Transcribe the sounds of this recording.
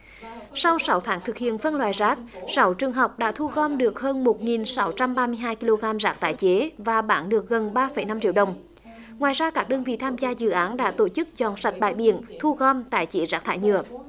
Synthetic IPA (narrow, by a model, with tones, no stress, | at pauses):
sa˧wsa˨˦wt̪ʰaː˨˦ŋt̪ʰɨ˨˩k̚hḭ˧˨ənfə˧nlwaː˨jzaː˦˥k̚sa˨˦wt͡ɕɨ˨˩əŋɦa˨˩wk͡p̚ɗa̰ː˧˥t̪ʰu˧ɣɔ˧mɗɨ˨˩ək̚həː˧nmo˨˩t̚ŋi˨˩nsa˨˦wt͡ɕa˧mɓaː˧mɨ˧əjɦaː˧jki˧lo˧ɣaː˧mzaː˦˥k̚t̪a̰ː˧˨jt͡ɕe˨˦vaː˨˩ɓaː˧˩˦nɗɨ˨˩ək̚ɣə˨˩nɓaː˧fə˨˩˦jna˧mt͡ɕḭ˧˥əwɗə˨˩wŋ͡m | ŋwaː˨˩jzaː˧kaː˦˥k̚ɗəː˧nvḭ˧˨t̪ʰaː˧mzaː˧zɨ̰˧˨ʔaː˨˦nɗa̰ː˧˥t̪o˧˩t͡ɕɨ˦˥k̚zɔ˧˨˩nsa˨˩jt̚ɓa̰ː˧˨jɓḭ˧˨ənt̪ʰu˧ɣɔ˧mt̪a̰ː˧˨jt͡ɕi˧˦zaː˦˥k̚t̪ʰa̰ː˧˨jɲɨ̰˧˨ə